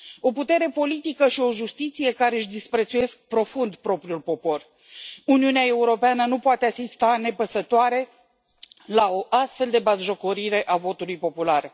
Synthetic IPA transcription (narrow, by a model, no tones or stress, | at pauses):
o̞put̪e̞ɾe̞po̞lit̪ikəʃio̞ʒust̪it̪sije̞kaɾe̞ɨʃd̪ispɾe̞t̪suje̞sk̚pɾo̞fund̪pɾo̞pɾiulpo̞po̞r | uniuneae̞uɾo̞peanənupoat̪easist̪ane̞pəsət̪oaɾe̞ | lao̞ʔast̪fe̞ld̪e̞bazʒo̞ko̞ɾiɾe̞ʔavo̞t̪ulujpo̞pular